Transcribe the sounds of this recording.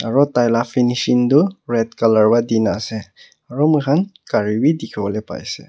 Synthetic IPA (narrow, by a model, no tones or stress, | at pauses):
a̰ɹɔtajlafinisintuɹɛtkalaɹbadinasɛ | aɹɔmukʰankaɹibidikʰibɔlɛpa̰jsɛ̰